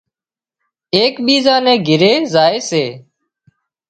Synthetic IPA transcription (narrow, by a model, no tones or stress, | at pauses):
eːkɓiːzãːnẽːɡʱɪɾeːzaːeːseː